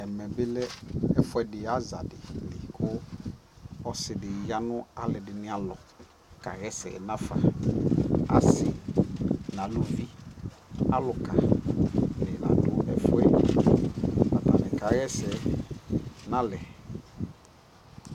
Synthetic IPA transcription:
ɛ˨mɛ̃˨bɪ˦lɛ˦ɛ˦fʊ˦ɛ˨dɪ˨a˦za̰˨dɪ˨lɪ˨kʰʊ˦ | ɔ˦sɪ˨dɪ˨ja˦nʊ̃˦a˦lɛ˨dɪ˨nɪ̃˦a˨lɔ˨ | ka̰˨ɣɛ˦sɛ̰˨nã˦fa̰˨ | a˨sɪ˦ | nã˨lu˦vi˦ | a˦lʊ˨ka˨ | lɪ˨nã̰˨dʊ˨ɛ˦fʊ˦ɛ˦˨ | ma˨ta˨nɪ̃˨ka˨ɣɛ˦sɛ˨ | nã˦lɛ˨

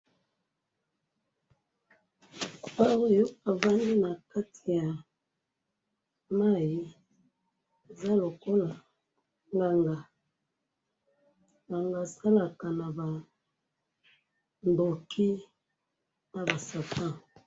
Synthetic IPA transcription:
a˦wo˦˨jo˦a˨va˦ndi˦na˨ka˦tʰi˨ja˨ | ma˦˨ji˨ | e˨za˦lo˨ko˦la˨ | ŋɡa˨ŋɡa˨ | ŋɡa˨ŋɡa˨sa˦la˨ka˨na˨ba˨ | ndo˨kʰi˦ | na˨ba˨sa˨tã˦˨

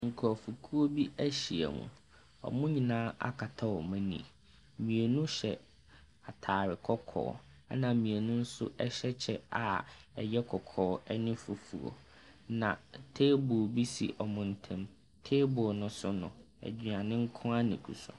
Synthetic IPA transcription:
ŋ̩˨kʰɔ˨ɔ˨fu˨kʰu˦o˦bi˦æ˦ɕi˨æ̰˨mṵ̃˨ | ɔ̰˨mʊ̃˦ɲĩ˨nãː˦a̰˦kʰa˨tʰa˦wɔ˨mã˦nḭ̃˨ | mĩ˨e˨nũ˦ɕɛ˨ | a˨tʰaː˨ɾɪ˨kʰɔ˦kʰɔ̰ː˨˦ | a˦nã˨mĩ˨e˨nʊ̃˦n̩˦sʊ̰˦ʔɛ˦ɕɛ˦t͡ɕʰɛ˦a˨ɛ˨jɛ˦kʰɔ˨kʰɔː˨˦ɛ˦nɪ̃˦fu˨fu˨ɔ̰˨ | nã˨tʰeː˦bʊ˨bi˦sḭ˨ʔɔ˨mʊ̃˨n̩˨tʰɛ̃˦m | tʰeː˦bʊ˨nʊ̃˦sʊ˦nʊ̰̃˨ | ɛ̰˨d͡ʑi˨ã˨nɪ̃˦ŋ̩˦kʰʊ̃˦a˦nɪ̃˨kʰṵ˨sɔ̰˨

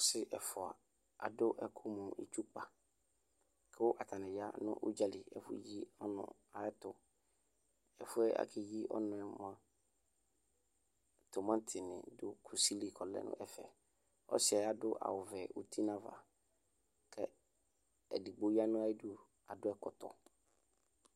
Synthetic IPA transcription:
ɔ˦sɪ˦ʔɛ˨fʊ˨a̰˨ | a̰˨dʊ˦ʔɛ˨kʰʊ˦mɔ̃˨ḭ˨t͡ʃu˦k͡pa˨ | kʰɛ˦ʊ˦ʔa˨tʰa˨nɪ̃˨ja̰˦nʊ̰̃˦ʔʊ̰˦d͡ʒa˦lɪ˨ɛ̰˨fʊ˦˨ji˦ɔ˦nʊ̰̃˨ | a˨ɛ˦tʊ˨ | ɛ˨fʊ˦ɛ˦ʔa̰˨kʰɪ˨ji˦ʔɔ̰˦nʊ̃˨ɛ˦m˨ã˦ | to˨mã˦tʰɪ˨nɪ̰̃˨dʊ˦kʰu˨si˦li˨kʰɔ˨lɛ̰˦˨nʊ̰̃˦ʔɛ˨fɛ˨ | ɔ̰˦sɪ˨˦ɛ˨a˨dʊ˦ʔa̰˨wʊ˨vɛ˨u˦tʰi˦nã˦va̰˨ | kʰɛ˦ | ɛ˨di˨ɡ͡bo˨i˦a˦nʊ̃˦a˦i˦du˦ | a˨dʊ˦ɛ˦kɔ˨tɔ̰˨

